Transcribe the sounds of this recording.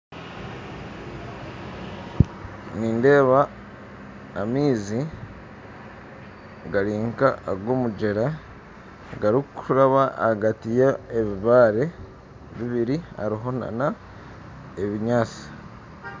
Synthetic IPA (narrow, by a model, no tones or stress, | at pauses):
niːnde̞ːβa | miːzi | ɡaɾiːŋkaɡwomuɟe̞ɾa | ɡaɾikuɾaβaːɡatijaeβiβaːɾe̞ | βiβiɾia̰ɾiɦo̞na̰na | eβiɲaːt͡si̥